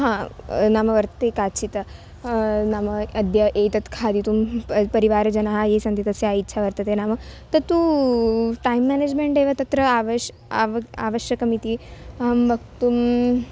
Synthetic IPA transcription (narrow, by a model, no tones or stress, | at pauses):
ɦãːnaːmɐʋɐɾt̪ət̪ekaːt͡ʃʰit̪ɐ | naːmɐɐd̪ʱjɐʔet̪ɐt̪kʰaːd̪it̪umpɐɾiʋaːɾd͡ʒɐnaɦaɦesɐ̃nt̪it̪ɐseaitːʃʰaʋɐɾt̪ɐt̪enaːmɐt̪ɐt̪u | ʈajmːæːned͡ʒmeɳʈeːʋat̪ɐt̪ɾɐaʋ | aa̰ːʋɐʃjɐkɐmit̪iɐɦɐmʋɐkt̪um